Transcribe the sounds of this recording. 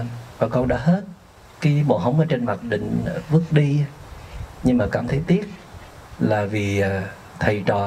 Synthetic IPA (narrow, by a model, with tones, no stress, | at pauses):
vaː˨˩kə˧wɗa̰ː˧˥ɦe˦˥t̚ | kaː˨˦jɓo̰˨˩˨ɦə˧wŋ͡mʔəː˨˦jt͡ɕe˧nma˨˩t̚ɗï˧˨ŋ̟˨vɨ˦˥ək̚ɗi˧˦ɲɨ˧ŋmaː˨˩kaː˧˩mt̪ʰə˨˦jt̪i˦˥əp̚ | laː˨˩viː˨˩˨ | t̪ʰə˨˩jt͡ɕɔ˨˩